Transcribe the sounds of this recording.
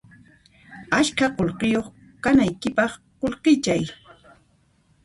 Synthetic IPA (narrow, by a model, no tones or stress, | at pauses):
aʃkaqolqɪjoχ | kanajkɪpɑχqolqɪt͡ʃaj